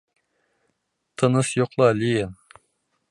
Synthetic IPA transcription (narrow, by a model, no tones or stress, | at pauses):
t̪ʰənɨsjoqlˠɑlijen